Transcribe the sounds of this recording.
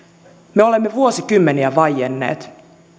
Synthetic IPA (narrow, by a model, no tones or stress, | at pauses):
meo̞le̞mːeʋuosikymːeniæʋɑjenːḛːt̪